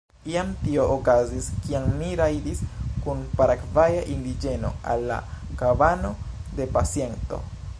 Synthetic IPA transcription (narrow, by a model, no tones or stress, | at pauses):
iamtio̞ʔokaziskiaŋmiɾajdiskunpaɾakvajaʔindid͡ʒe̞no̞̰a̰lːa̰kavano̞de̞pasje̞nto̞̰